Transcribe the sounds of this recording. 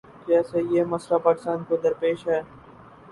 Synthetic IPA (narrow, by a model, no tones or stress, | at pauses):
d͡ʒɛːsejemɐslapaːkɪst̪aːnkod̪ɐɾpeːʃɦɛː